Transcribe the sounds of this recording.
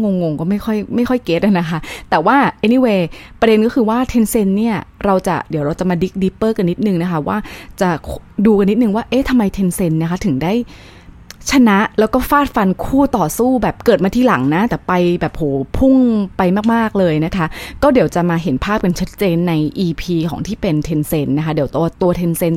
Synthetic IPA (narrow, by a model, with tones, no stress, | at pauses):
ŋo˧ŋːo˧ŋkɔː˥˩ma˥˩jxʰɔ˥˩jma˥˩jxʰɔ˥˩jkeː˦˥t̪̚ʔa˧˩na˦˥kʰa˦˥ʔt̪ɛː˨˩waː˥˩ʔe˦˥ni˧weː˧pɾa˧de˧nkɔː˥˩kʰɯː˧waː˥˩t̪ʰe˧nse˧nːi˥˩ɐɾa˧wt͡ɕa̰˨˩di˨˩˦ɾa˧wt͡ɕa˨˩maː˧di˦˥k̚di˦˥pːɤː˥˩ka˧nːi˦˥t̪̚nɯ˨ŋna˦˥kʰa˦˥waː˥˩t͡ɕa˨˩kʰduː˧ka˧nːi˦˥t̪̚nɯ˨˧ŋwaː˥˩ʔeː˦˥t̪ʰa˧mːa˧jt̪ʰe˧nse˧nːna˦˥kʰa˦˥t̪ʰɯ˨˩˦ŋdaː˥˩j | t͡ɕʰa˧na˦˥ʔlɛ˦˥wkɔː˥˩faː˥˩t̪̚fa˧nkʰuː˥˩t̪ɔː˨˩suː˥˩bɛː˨˩p̚kɤː˨˩t̪̚ma˧t̪ʰiː˥˩la˨˩˦ŋna˦˥t̪ɛː˨˩pa˧jbɛː˨˩p̚hoː˩˦pʰu˥˩ŋpa˧jmaː˥˩k̚maː˥˩k̚lɤː˧jna˦˥kʰa˦˥ʔkɔː˥˩di˩˦wt͡ɕa˨˩maː˧ɦe˩˦npʰaː˥˩p̚ka˧nt͡ɕʰa˦˥t̪̚t͡ɕeː˧nːa˧jʔiː˧pʰiː˧kʰɔ̰ː˩˦ŋt̪ʰiː˥˩pe˧nt̪ʰe˧nse˧nːa˦˥kʰa˦˥di˨˩˦wt̪u˧ɐt̪u˧ɐt̪ʰe˧nse˧n